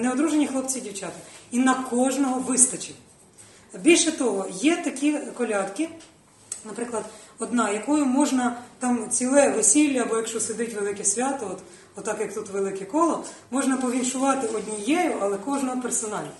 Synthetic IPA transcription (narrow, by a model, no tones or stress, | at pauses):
neɔd̪ɾuʒenʲixlˠɔpt͡sʲidʲiwt͡ʃɑt̪ɪinɐkɔʒnɔɦɔʋɪst̪ɐt͡ʃʲi | bʲilʲʃɛt̪ɔɦɔjɛt̪ɐkʲikɔlʲɑt̪kɪ | nɐpɾɪklˠɐd̪ɔd̪nɑjɐkɔjʊmɔʒnɐt̪ɑmt͡sʲilˠɛʋesʲilʲːɐːbɔjɐkʃt͡ʃɔsed̪ɪtʲʋelˠɪkɛsʲʋʲɑt̪ɔɔt̪ | ɔt̪ːɑkjɐkt̪ut̪ʋelˠɪkɛkɔlˠɔmɔʒnɐpɔʋʲinʃʊʋɑt̪ɪɔdʲnʲijɛjʊɐlˠɛkɔʒnɔɦɔpersɔnɑlʲi